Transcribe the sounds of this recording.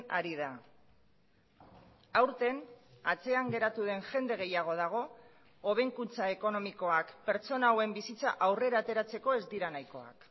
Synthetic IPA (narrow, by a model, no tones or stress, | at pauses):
aɾiða | awɾt̪e̞nat͡se̞aŋɡe̞ɾat̪uð̞e̞nʝe̞nd̪e̞ɣ̞e̞jaɣ̞o̞ð̞aɣ̞o̞ː | β̞e̞ŋkunt͡sae̞ko̞no̞miko̞akpe̞ɾt͡so̞nawe̞mbisit͡sa̰ʔawre̞ɾaːt̪e̞ɾat͡se̞ko̞e̞zd̪iɾanajko̞a̰k